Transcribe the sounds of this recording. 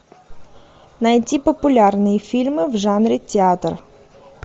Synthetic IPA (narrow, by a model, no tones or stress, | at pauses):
nɐjtʲipɔpʊlʲɑrnɪjifʲilʲmɪwʒɑnɾʲitʲeɑt̪r